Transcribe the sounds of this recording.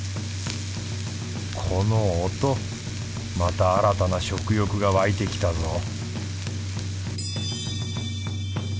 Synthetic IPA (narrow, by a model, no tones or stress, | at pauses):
kʰo̞noːt̪o̞ | mat̪aːɾat̪anaɕo̞kɯ̟jo̞kɯ̟ɡaβait̪e̞kʲi̥t̪azo̞